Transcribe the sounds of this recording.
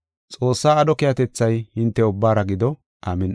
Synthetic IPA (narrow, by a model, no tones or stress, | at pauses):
t͡sʼo̞ːsːaːd̪ɔkɪjɐt̪ɛt͡sːɐjhɪnt̪ːɛʊbːaːɾɐɡɪd̪ɔ | ʔaːmɛn